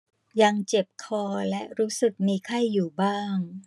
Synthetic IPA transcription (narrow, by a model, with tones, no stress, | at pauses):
ja˧ŋt͡ɕe˨˩p̚kʰɔː˧lɛ˦˥ʔɾuː˦˥sɯ˨˩k̚miː˧kʰa˥˩jːuː˨˩baː˥˩ŋ